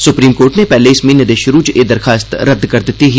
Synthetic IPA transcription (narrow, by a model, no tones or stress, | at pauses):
sʊpɾiːmkoːɾʈnẽpɛːleɪsmẽnɐd̪eʃʊɾuːd͡ʒed̪ɐɾxaːst̪ɾɐd̪ːkɐɾd̪ɪt̪iɦ